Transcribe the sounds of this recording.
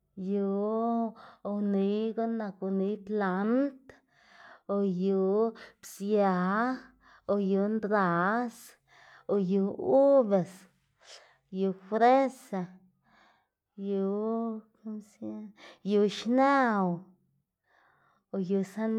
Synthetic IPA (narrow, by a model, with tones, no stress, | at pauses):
ju˨ | o˧ni˧˦ɡo˦na˧ku˧ni˧˦t̪la˨˦nt̪ | o˧ju˧˦bsja˨ | o˧ju˨nd̪ɾa˨s | o˧ju˨˧u˦be˨s | ju˧fɾe˦sa˨ | ju˧ka˦msja˦ju˧˨ʃna˦w | o˧ju˨sa˦n